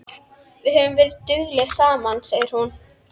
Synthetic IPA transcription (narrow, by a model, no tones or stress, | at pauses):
vɪðhɛːvʏmvɛːɾɪðt̪ʏɣlɛɣsaːmanseːjɪɾ̥hun